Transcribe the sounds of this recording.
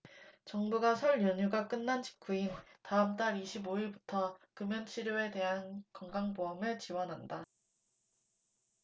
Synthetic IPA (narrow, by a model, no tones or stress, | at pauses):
t͡ɕʌŋbuɡasʰʌɭjʌɲuɡak͈ɯnːant͡ɕi̥k͈ʰuintaɯmt͈aɾiɕʰiboiɭbutʰʌkɯmjʌnt͡ɕʰiɾjoe̞te̞ɦankʌŋɡaŋboʌmɯɭt͡ɕiwʌnɦanda